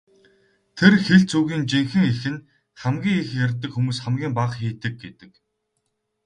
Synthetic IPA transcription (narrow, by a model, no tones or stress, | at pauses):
t̪ʰerxeɮt͡sʰuːɣiːnt͡ɕiŋxɘ̆ŋexɘ̆n | χæmɡʲiːŋixjarʲt̪ːɘ̆kxumuːsχæmɡʲiːmpaqxiːt̪ɘ̆k̚ɡet̪ɘ̥̆k